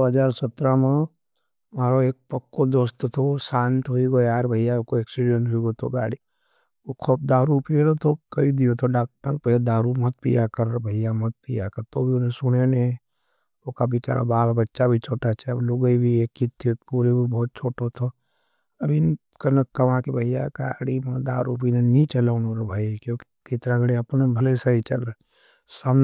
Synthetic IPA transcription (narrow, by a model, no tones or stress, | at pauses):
oɦɐd͡ʒaːɾsɐt̪ɾamẽ | maːɾoeːk̚pɐkːod̪oːst̪ot̪ʰosãːnt̪ɦoiɡojaːɾbʱəjakoeksiɖijənʈɦuiɡot̪ʰoɡaːɽi | okʰoːp̚d̪aːɾupiɾot̪ʰokɐid̪ijot̪ʰoɖaːk̚ʈɾaŋ̚pɛed̪aːɾumɐt̪̚pḭjakəɾbʱəɪjamɐt̪̚pijakəɾt̪oːbʱiʊnẽsʊɽenẽ | okabit͡ʃa̰ːɾa̰baːbbɐtːʃabʱit͡ʃʰoːʈat͡ʃʰabloɡəibʱieːkːit̪ʰːet̪puːɾebʱibɔːt̪̚t͡ʃʰoːʈot̪ʰo | ɐbʱi | kɐnəɐʋãkebʱɐɪjakaːɽimɐd̪aːɾuːp̬inenĩt͡ʃəlaʊnõːɾabʱaːikjõːki̥kɪt̪ɾaɡəɽeɐpnebʱɐlesaɦit͡ʃɐlɾa | saːmn